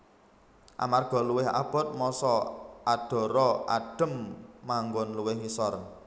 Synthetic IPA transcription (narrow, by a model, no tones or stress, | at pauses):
ʔa̰marɡ̥ɔ̤luwɪha̰b̥ɔ̤t̪̚mɔsɔaɖ̥ɔ̤ɾɔa̰ɖ̥ə̤mːaŋɡɔnluwɪhwisɔr